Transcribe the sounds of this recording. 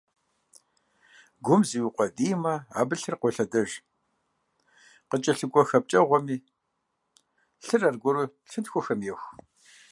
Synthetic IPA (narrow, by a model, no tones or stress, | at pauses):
ɡʷʊmziwiqʷʼɔdiːmɐa̰ːbɨɬɨrqʷɔɬɐdɐʒ | qət͡ʃʼɐɬɨɡʷʼɔxɐp̚t͡ʃʼɐʁʷɔmiː | ɬɨrɐrɡʷɔɾu | ɬɨntxʷɔxɐmjɛxʷ